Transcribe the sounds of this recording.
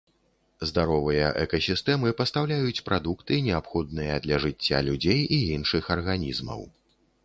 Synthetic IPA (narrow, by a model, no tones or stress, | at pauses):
zd̪aɾɔvɨjɐ̰ʔɛ̰kɐsʲist̪ɛmɨpɐst̪awlʲajut͡sʲpɾʔad̪ukt̪ɨnʲɛapxɔd̪nɨjɐd̪lʲɐʐɨt͡sʲːa̰lʲud͡zʲejiinʂɨxɐrɣanʲizmɐ̰w